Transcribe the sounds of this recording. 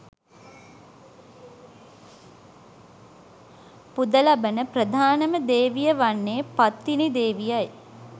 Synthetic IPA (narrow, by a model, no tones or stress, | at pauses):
pud̪əlabənəprəd̪ʱaːnəməd̪eːʋijəʋanːeːpat̪ːinid̪eːʋijaj